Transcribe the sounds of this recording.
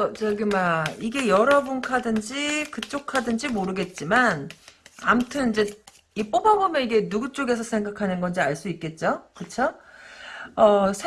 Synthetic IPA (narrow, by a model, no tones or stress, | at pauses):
ʌt͡ɕʌɡɯmaiɡe̞jʌɾʌbunkʰadɯnd͡ʑikɯt͡ɕ͈okʰadɯnd͡ʑimoɾɯɡe̞t̚t͡ɕ͈imanamutʰɯnid͡ʑe̞ | ip͈obaɡomeiɡenuɡut͡ɕ͈oɡe̞s̬ʰʌsʰe̞ŋɡakʰanɯnɡʌnd͡ʑiaɭs͈uik̚k͈e̞t̚t͡ɕ͈okɯt͡ɕʰo | ʌsʰ